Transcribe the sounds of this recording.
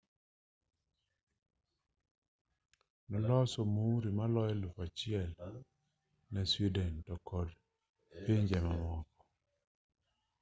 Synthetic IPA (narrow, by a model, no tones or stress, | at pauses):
nɔlɔsɔmuɾimalɔjɛlupat͡ʃɪɛl | nɛswidɛntɔkɔd | piɲd͡ʒɛmamɔkɔ